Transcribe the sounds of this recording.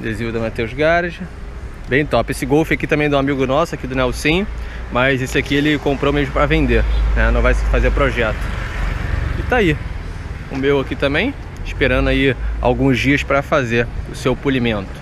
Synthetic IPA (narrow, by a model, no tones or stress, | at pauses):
d̪ezĩʊd̪ɐmat̪ewzɡaɾd͡ʒɐ | bẽj̃t̪ɔpesɪɡowfɪakit̪ɐ̃mẽj̃d̪ɐ̃amiɡʊnɔsʊakid̪ʊnɛwsĩɲʊ | mɐjzesɪakielɪkõmpɾowmeʒmʊpɾɐvẽnd̪eɾnɛnɐ̃w̃vajsɪ̥fazeɾpɾoʒɛt̪ʊ̥ | ɪt̪ai | ʊ̰mewakit̪ɐ̃mbẽj̃ | ɪʃpeɾɐ̃nʊaia̰wɡũzd͡ʒiɐspɾɐfazeɾʊsewpulimẽnt̪ʊ̥